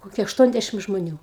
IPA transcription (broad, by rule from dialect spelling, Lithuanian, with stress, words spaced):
ˈkoːkʲiɛ ɐʃˈtuɔnʲˌdʲæʃʲɪm ʒmoːˈnʲuː